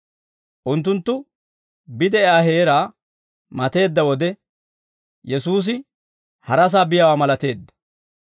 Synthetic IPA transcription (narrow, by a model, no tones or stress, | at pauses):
ʔʊnt̪ːʊnt̪ːʊ | bɪd̪ɛaːɦeːɾaː | mɐt̪e̞ːd̪ːɐwɔd̪ɛ | jɛsuːs̬ɪ | hɐɾɐs̬aːbɪjɐwaːmɐlɐt̪e̞ːd̪ːɐ̥